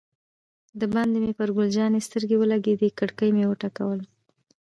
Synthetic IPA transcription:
d̪əband̪emepəɾɡold͡ʒɑnest̪əɾɡewəlaɡed̪ekəɽkəjmewəʈakawəl

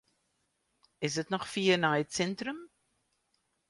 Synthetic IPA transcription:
ɪs̬dətnɔχfiːənaːɛtsɛntrəm

